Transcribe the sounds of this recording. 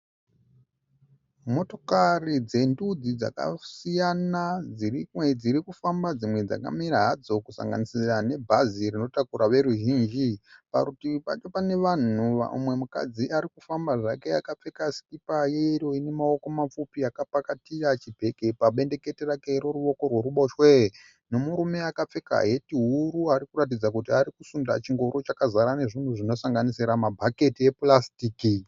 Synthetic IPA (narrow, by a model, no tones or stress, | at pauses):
mo̞to̞karid͡ze̞ndud͡zid͡za̰ka̰sijanad͡zired͡ziɾikufambad͡zimwe̞d͡za̰ka̰miɾaɦad͡zo̞kusa̰ŋɡa̰nisirane̞bʱazirino̞takuɾaʋe̞ɾuʒiːnd͡ʒipa̰kutipa̰t͡ʃo̞pane̞ʋan̤uʋa̰ṵmwe̞muka̰d͡ziaɾikufambaʐake̞a̰kap͡fe̞kasi̥kipajeiɾo̞ine̞mao̞ko̞map͡fupiakapakatirat͡ʃibʱe̞ke̞paɓe̞nde̞ke̞terake̞iɾoɾuo̞ko̞rwe̞ɾuɓo̞ʃwe | no̞muɾume̞akap͡fe̞ka̰ɦe̞tiɦuɾuaɾikurat̬id͡zak̬utiaɾikusunda̰t͡ʃiŋɡo̞ɾo̞t͡ʃakazaɾane̞ʐin̤uʐino̞saŋɡanisiɾamabʱake̞tie̞plastiːki